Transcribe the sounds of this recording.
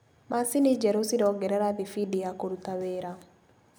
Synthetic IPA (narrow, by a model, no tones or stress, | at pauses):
masinid͡ʒɛɾosiɾɔɡɛɾɛɾaðifidijakoɾutaweːɾa